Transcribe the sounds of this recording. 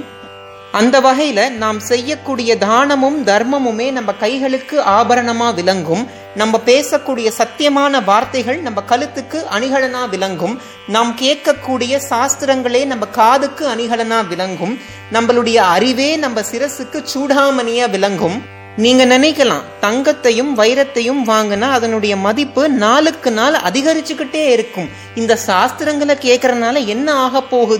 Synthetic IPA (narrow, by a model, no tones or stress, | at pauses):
ɐnd̪ɐʋɐɣɐjɪlɐnaːmsɛjːɐkːuːɽɪjɐd̪ʱaːɳɐmɯmd̪ʱɐɾmɐmɯmeːnɐmbɐkɐɪɣɐɭɯkːɯʔaːbɐɾɐɳɐmaːʋɪlɐŋɡɯm | nɐmbɐpeːsɐkːuːɽɪjɐsɐt̪ːɪjɐmaːnɐʋaːɾt̪ɐɪɣɐɭnɐmbɐkɐlɯt̪ːɯkːɯʔɐnɪɣɐɭɐnaːʋɪlɐŋɡɯm | naːmkeːʈkɐkːuːɽɪjɐsaːst̪ɪɾɐŋɡɐɭeːnɐmbɐkaːðɯkːɯɐnɪɣɐɭɐnaːʋɪlɐŋɡɯm | nɐmːɐɭɯɽɐjɐːɾɪʋeːnɐmbɐsɪɾɐsɯkːɯt͡ʃuːɽaːmɐnɪjaːʋɪlɐŋɡɯm | niːŋɡɐnɪnɐɪkːɐlã̰ːt̪ɐŋɡɐt̪ːɐjɯmʋɐjɾɐt̪ːɐjɯmʋaːŋɡɯnaːðɐnɯɽɐjɐmɐðɪpːɯnaːlɯkːɯnaːlɐ̰ðɪɣɐɾɪt͡ʃːɯkːɪʈːeːɪɾɯkːɯm | ɪnd̪ɐsaːst̪ɪɾɐŋɡɐɭɐkːeːʈkːɪɾɐnaːlɐɛnːɐaːɣɐpːoːɣɯ